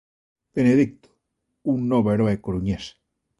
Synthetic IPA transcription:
b̥eneðik̚t̪o̥ | unːoβeɾoekoɾuɲes

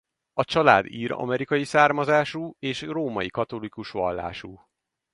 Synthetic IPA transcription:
ɒt͡ʃɒla̰ːd̪iːɾɒ̰mɛɾikɒjisaːrmɒzaːʃuːeːʃroːmɒjikɒt̪o̞likuʃʋɒ̰lːa̰ːʃuː

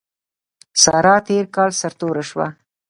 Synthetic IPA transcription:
sɑɾɑt̪eɾkɑlsaɾt̪oɾaʃwa̰

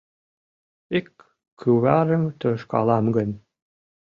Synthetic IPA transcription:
ikʰː | yβæɾəmt̪øʃkɑ̰lɑmɡə̆n

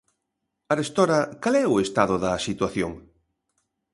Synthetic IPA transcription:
aɾest̪ɔɾɐkalɛʊest̪aðʊðɐsit̪waθjoŋ

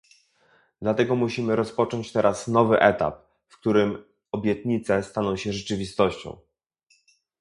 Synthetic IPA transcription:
d̪lat̪ɛɡɔmuɕimɘɾɔspɔt͡ʂɔɲt͡ɕt̪ɛɾʔasnɔvɘʔɛt̪a̰p̚ | fk̚t̪uɾɘm | ɔbʲjɛt̪ɲit̪sɛst̪anɔ̃w̃ɕɛʐɛt͡ʂɘvʲist̪ɔɕt͡ɕɔ̰̃w̃

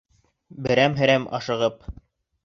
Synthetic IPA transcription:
bɘ̆ɾæmɦɘ̆ɾæmɑ̰ʃɤ̆ʁɤp̚

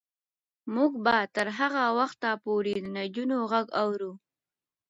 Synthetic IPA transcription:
muɡbat̪əɾɦaɣawaxt̪apoɾed̪ənad͡ʒunoɣaɡawɾu

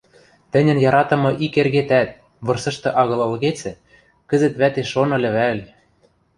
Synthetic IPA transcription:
t̪ɘ̆nʲɘ̆njɑɾɑt̪ɤ̆mɤ̆ʔikerɣet̪æt̪̚ | βɤ̆rsɤ̆ʃt̪ɤ̆ʔɑɣɤ̆lɤ̆lɣet͡sɘ̆ | kɘ̆zɘ̆t̪βæt̪eʃonɤ̆lʲɘ̆βælʲ

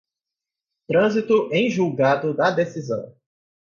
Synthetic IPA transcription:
t̪ɾɐ̃zit̪ʊʔẽj̃ʒuwɡad̪ʊd̪ɐd̪esizɐ̰̃w̃

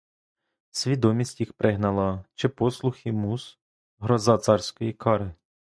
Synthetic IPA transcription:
sʲʋʲid̪ɔmʲisʲtʲjixpɾɪɦnɐlˠɐt͡ʃɪpɔslˠʊxɪmus | ɦɾɔzɑt̪sɑrsʲkɔjikʰɑɾɪ

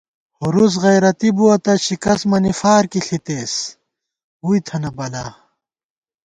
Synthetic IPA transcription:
huɾus̬ɣɐjɾɐt̪ibuwɐt̪ɐɕikɐsmɐnifaːɾkiɬʰit̪eːs | ujt̪ʰɐnɐbɐlaː

